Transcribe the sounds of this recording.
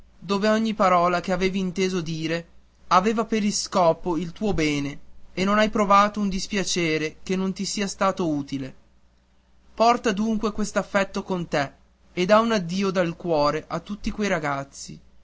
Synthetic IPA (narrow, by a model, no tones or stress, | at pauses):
d̪oːveɔɲːipaɾɔːlak̟eaveːviːnt̪eːzod̪iːɾe | aveːvapeɾilskɔːpoilt̪uːobɛːneenːonajpɾovaːt̪ound̪ispjat͡ʃeːɾekenːont̪isiːast̪aːt̪ouːt̪ile | pɔrt̪ad̪uŋkwekwest̪oafːɛt̪ːokont̪eː | d̪aunad̪ːiːod̪alkwɔːɾeʔat̪ːut̪ːikwejɾaɡat̪sːḭ